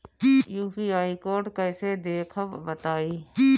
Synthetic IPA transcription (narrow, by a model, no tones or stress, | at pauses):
juːfiːaːikoːɾɖkəɪseːd̪eːkʰəʋʋət̪aːiː